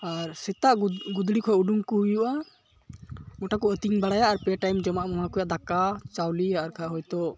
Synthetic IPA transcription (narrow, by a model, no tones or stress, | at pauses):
aɾsɛt̪aʔɡud̪ɽikʰɔɛʔuɖuŋkɔɦujuʔa | mɔʈakɔət̪iŋbaɽajaʔaɾpɛʈajmd͡ʒɔmaʔmɔmakɔjaʔd̪akat͡ʃawliaːɾkʰaɦɔjt̪ɔ